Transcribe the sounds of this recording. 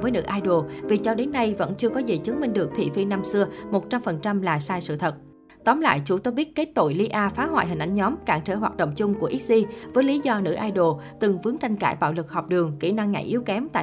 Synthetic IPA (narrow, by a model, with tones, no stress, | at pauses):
vəː˨˦jnɨ̰˧˥ʔaː˧jɗo˨˩vi˨˩t͡ɕɔ˧ɗe˨˦nːa˧jvə̰˧˥nt͡ɕɨ˧əkɔ˨˦zḭ˨˩t͡ɕɨ˨˦ŋmï˧ŋ̟ɗɨ˨˩ək̚t̪ʰḭ˧˨fi˧na˧msɨ˧əmo˨˩t̚t͡ɕa˧mfə˨˩nt͡ɕa˧mlaː˨˩saː˧jsɨ̰˧˨t̪ʰə˨˩t̚ | t̪ɔ˨˦mla̰ː˧˨jt͡ɕu˧˩t̪o˧ɓi˦˥ət̚ke˦˥t̚t̪o̰˧˩jli˧ʔaː˧faː˨˦ɦwa̰ː˧˨jɦï˨˩ŋ̟ʔa̰˧˩ŋ̟ɲɔ˨˦mkaː˧˩ŋt͡ɕə̰˧˩ɦwaː˨˩t̚ɗə̰˧˨wŋ͡mt͡ɕʊ˧ŋ͡mku˧˩əʔi˦˥t̚zi˧vəː˨˦jli˨˦zɔ˧nɨ̰˧˥ʔaː˧jɗo˨˩ | t̪ɨ˨˩ŋvɨ˨˦əŋt͡ɕ̪a˧jŋ̟kaː˧˩jɓa̰ː˧˨wlɨ˨˩k̚hɔ˨˩wk͡p̚ɗɨ˨˩əŋkḭ˧˩na˧ŋːa̰˧˩jʔi˨˦əwkɛ˨˦mt̪a̰ː˧˨